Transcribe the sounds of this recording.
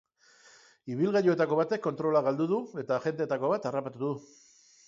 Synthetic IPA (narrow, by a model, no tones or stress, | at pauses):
iβilɣajoe̞t̪ako̞β̞at̪e̞kːo̞nt̪ɾo̞laɣald̪uðue̞t̪aʝe̞nd̪et̪ako̞βat̪arapat̪uðu